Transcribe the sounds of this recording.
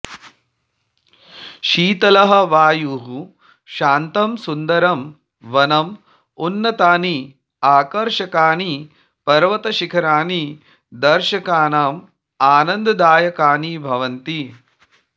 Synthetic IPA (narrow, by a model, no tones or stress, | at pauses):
ʃiːt̪ɐlɐɦɐ̆ʋaːjuɦu | ʃaːnt̪ɐmsund̪ɐɾɐm | ʋɐnɐm | unːɐt̪aːni | aːkɐɾʃɐkaːni | pɐɾʋɐt̪ɐʃikʰɐɾaːni | d̪ɐɾʃɐkaːnaːm | aːnɐnd̪ɐd̪aːjɐkaːnibʱɐʋɐnt̪i